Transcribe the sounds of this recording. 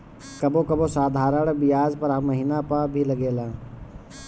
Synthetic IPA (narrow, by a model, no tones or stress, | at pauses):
kɐbõkɐbosaːd̪ʱaːɾəɽ̃bɪjaːd͡ʒpɐɾɦɐmːəɦiːnapabʱilɐɡeːlãː